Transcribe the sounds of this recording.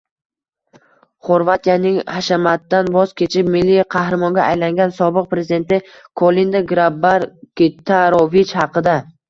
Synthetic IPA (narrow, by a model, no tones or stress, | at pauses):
χoɾvat̪ʰijanɪŋhaʃamat̪ːanbɒz̥kʲʰe̞t͡ʃʰɪp̚mɪlːiqʰɑhɾɪmɒŋɡʲaʔajlaŋɡʲansɒbɨq̚pɾezɪd̪e̞nt̪ɪ | kʰolind̪aɡɾabaɾkʲit̪ʰaɾovit͡ʃhɑqɨd̪a